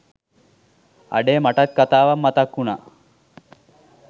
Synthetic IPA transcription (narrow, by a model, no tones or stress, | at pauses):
a̰ɖeːmaʈat̪̚kat̪aːʋamːat̪akːuna